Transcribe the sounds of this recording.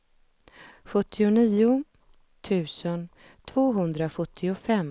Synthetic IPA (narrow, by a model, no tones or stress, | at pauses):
ɧɵt̪ʰːɪʊniːʊ | t̪ʰʉ̟ːsən | t̪ʰvoːɦɵnd̪ɾaɧɵt̪ʰːɪʊfɛmː